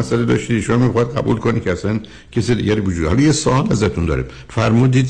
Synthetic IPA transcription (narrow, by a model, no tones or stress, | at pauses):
æsæled̪ɒ̰ːʃt̪iʃomɒːmiːxɒid̪ɢæ̰bṵːlkʰonikʰeæsæn | cʰesiːd̪iɟæɾibod͡ʒuːd̪ehɒlɒjesoʔɒːlæzæt̪ʰund̪ɒ̰ːɾḛm | fæɾmuːd̪iːd̪